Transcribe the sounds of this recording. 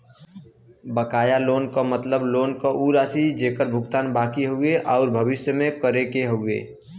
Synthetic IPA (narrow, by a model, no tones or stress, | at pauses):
bəkaːjaloːnkomət̪ləbloːnkoʔuːɾaːsid͡ʒeːkəɾbʱʊɡt̪aːnbaːkiɦoːeʔɔːɾbʱəʋɪsjəmẽkəɾekeɦoːɡḛː